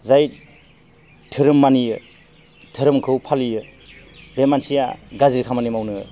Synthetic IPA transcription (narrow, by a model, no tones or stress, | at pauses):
zajt | tʰɯɾɯmːanijɯ | tʰɯɾɯmkʰɯwpʰalijɯ | bemansija̰ɡaziɾkʰamanimawnɯɯ